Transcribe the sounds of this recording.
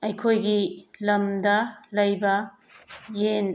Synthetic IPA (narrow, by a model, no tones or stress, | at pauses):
ɐjkʰojɡilɐmd̪ɐlɐjbɐ | jen